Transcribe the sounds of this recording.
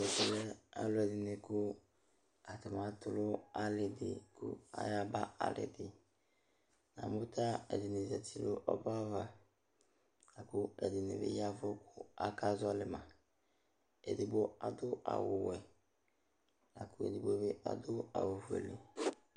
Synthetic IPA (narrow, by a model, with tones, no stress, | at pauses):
ɛ˨tɛ˨lɛ˦a˦lʊ˦ɛ˨dɪ˨nɪ˨kʊ˦ | a˨ta˨ma˨˦tʊ˦lʊ˦a˦lɪ˨dɪ̰˨kʊ̰˦a̰˦ja˦ba˦a̰˨lɪ̰˨dɪ˨ | na̰˨mʊ˦tʰa˦ɛ̰˨dɪ˨nɪ˨zɛ˨tʰi˨lʊ˦ʔɔ˦ba˦va˨ | na˨kʊ˦ɛ˨dɪ˨nɪ̰˨bɪ̰˦ja˦vʊ˦kʰʊ˦a˦ka˦zɔ˦lɪ˨mã˨ | ɛ̰˨dɪ˨bo˦a˨dʊ˦ʔa̰˨wʊ˨wɛ˨ | na˨kʊ˦ḛ˨di˨bo˦bɪ˦ʔa̰˨dʊ˦a̰˨wo˨vu˨ḛ˨lɪ˨